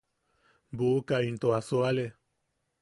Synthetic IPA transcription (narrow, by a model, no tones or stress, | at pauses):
bukaint̪oasoale